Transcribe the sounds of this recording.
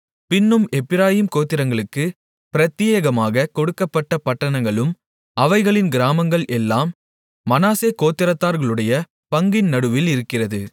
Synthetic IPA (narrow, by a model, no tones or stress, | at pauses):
pɪnːɯmɛpːɪɾaːjimkoːt̪ːɪɾɐŋɡɐɭɯkːɯ | pɪɾɐt̪ːɪjɐɣɐmaːɣɐkɔɽɯkːɐpːɐʈːɐpɐʈːɐɳɐŋɡɐɭɯm | ʔɐʋɐɪɣɐɭɪnɡɪɾaːmɐŋɡɐɭɛlːaːmː | ɐnaːseːkoːt̪ːɪɾɐt̪ːaːɾɣɐɭɯɽɐjɐ | pɐŋɡɪnnɐɽɯʋɪlɪɾɯkːɪrɐðɯ